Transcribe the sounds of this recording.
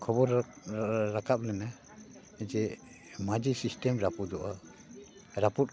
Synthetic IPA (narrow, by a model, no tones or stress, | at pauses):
kʰɔbɔɾː | akap̚lɛna | d͡ʒɛ | mad͡ʒisisʈɛmɾapud̪ɔʔa | ɾaput̚